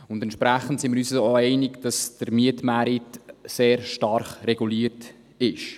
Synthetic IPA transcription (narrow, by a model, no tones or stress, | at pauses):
ʊndɛntʃpɾæχən̩tsɪməɾyːsooɛɪnɪkd̥ɑsd̥əɾmiətmæɾɪtseːɾʃtɑɾχrɛɡuliːəɾt | ɪʃ